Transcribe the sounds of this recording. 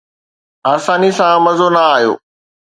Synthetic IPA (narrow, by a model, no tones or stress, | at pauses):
aːsaːnisãmɐzonɐaːɦijo̰ː